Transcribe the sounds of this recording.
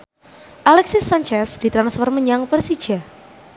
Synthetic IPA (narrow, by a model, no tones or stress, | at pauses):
ʔalɛksɪsant͡ʃɛsd̥it̪ɾansfɔrməɲaŋpərsid̥d͡ʒ̥a